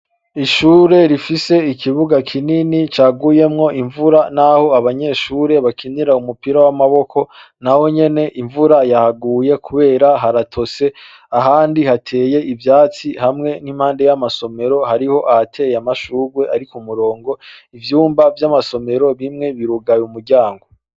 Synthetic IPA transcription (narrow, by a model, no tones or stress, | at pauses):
iʃuːɾe̞ɾifise̞ikʰiβuɡakʰininit͡ʃaːɡuje̞mŋo̞ʔiɱvuɾanaho̞aβaɲe̞ːʃuːɾe̞βakʰiniɾaumupiɾawamaβo̞kʰo̞naho̞ɲe̞ne̞ʔiɱvuɾajahaɡuːje̞kʰuβe̞ːɾaɦaɾatʰo̞se̞ | aɦaːndihatʰe̞ːje̞ʔivjaːt͡sihamŋe̞nimhaːnde̞jamaso̞me̞ɾo̞haɾiho̞ʔahatʰe̞ːjamaʃuɾwe̞ʔaɾikumuɾo̞ːŋɡo̞ivjuːmbavjamaso̞me̞ɾo̞βimŋe̞βiɾuɡajumuɾɟaːŋɡo̞